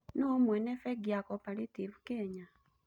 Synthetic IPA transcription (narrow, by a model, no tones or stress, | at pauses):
nomwɛnɛfɛɡiakɔpaɾitivukɛɲa